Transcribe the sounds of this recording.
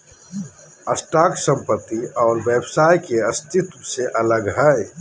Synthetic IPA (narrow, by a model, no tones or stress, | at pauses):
ɐsʈaːksə̃mpət̪ːiɔːɾʋeːbsaːjkeɐst̪ʰɪt̪wseʔɐləɡɦɛe